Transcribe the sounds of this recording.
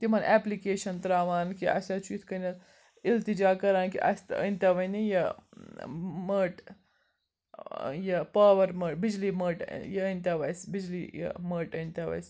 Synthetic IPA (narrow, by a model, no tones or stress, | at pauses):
t̪imɐnʔɛplikeːʃɐnt̪ɾaːʋaːnkia̰sat͡ʃʰuːt̪ʰkɐnɐl | ilt̪id͡ʒaːkɐɾaːnkḭʔɐ̰st̪ə̰nʲt̪ʲaʋɐnijɐ | məːʈ | jɐpaːʋɐɾməːʈbid͡ʒliməːʈjɐənʲt̪ʲaʋɐjsbid͡ʒlijɐ̰məːʈənʲt̪ʲaʋɐ̰js